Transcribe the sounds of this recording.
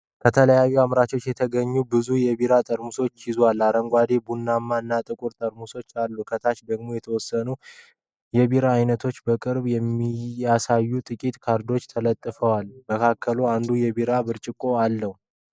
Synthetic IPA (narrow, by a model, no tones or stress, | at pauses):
kʰət̪ʰələjajːuamɾat͡ʃo̞t͡ʃːjɛt̪ʰəɡəɲːubɨzujɛβiɾat̪ʼəɾmuso̞t͡ʃːjɪzwalːaɾəŋɡʷad̪e̞bunːamːaɨnːat̪ʼɨkʼuɾt̪ʼəɾmuso̞t͡ʃːalːukʰət̪ʰat͡ʃd̪əɡmojɛt̪ʰəwɔsːənu | jɛβiɾaːjnət̪ʰo̞t͡ʃːbəkʼɨɾbjɛmːijasajːut̪ʼɨkʼit̪kʰaɾd̪o̞t͡ʃːt̪ʰələt̪ʼːɨfəwalməkʰakʰːəluand̪ujɛβiɾabɨɾt͡ʃʼɪkʼo̞alːəhu